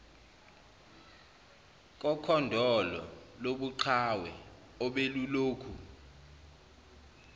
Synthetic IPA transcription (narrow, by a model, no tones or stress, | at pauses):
k̬ʼɔkʰɔndʱɔlɔ̰loɓuǃʰawɛ̰ | ɔɓeluloːkʰu